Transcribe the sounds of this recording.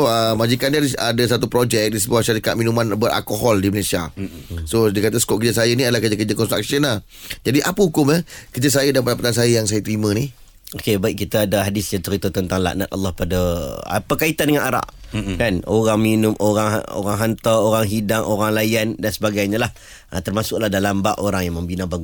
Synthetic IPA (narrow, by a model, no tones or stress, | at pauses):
oəmad͡ʒikanaiadasat̪upɾod͡ʒɛk̚disəbuahʃaɾikat̪̚minumãnbəɾa̰lkoɦɔldiməlesia̰sodikat̪asə̥kɔʔ̚kəd͡ʒasajəniadalahkərd͡ʒakəd͡ʒəkɔnst̪ɾa̰k̚sənah | d͡ʒadiʔapəukʊməkərd͡ʒas̬ajədanpadapat̪ansajəjaŋsajət̪əɾimə̃ni | okebaiʔ̚kit̪aːdaɦadɪsjaŋt͡ʃəɾit̪ət̪ənt̪aŋla̰ʔna̰t̪̚ʔa̰lːɑhpadaa̰pəkait̪andəŋanaɾa̰ʔkanoɾaŋminʊmʔoɾaŋɦa̰o̰ɾaŋɦant̪aoɾaŋɦidaŋʔoɾaŋlajandansəbaɡajɲalah | ʔə̰t̪ərmasʊʔ̚lahdalambaʔoɾaŋjaŋməmbinabaɡu